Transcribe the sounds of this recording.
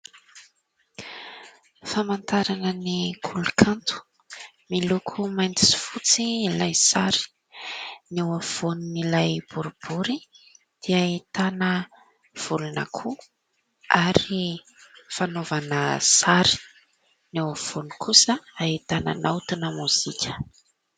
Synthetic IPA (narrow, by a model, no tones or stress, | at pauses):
famant̪aɾanənikʰulukʰant̪u̥ | milukʰumajnt̪i̥si̥fut͡silajsaɾi̥ | newav̥ununilajb̥uɾub̥uɾi | d̪̥eait̪anə | v̥uluna̰kʰu | aɾi | fanovanəsaɾi̥ | newav̥uniukʰusəait̪anə̰nawt̪inəmuz̥ikʲə̥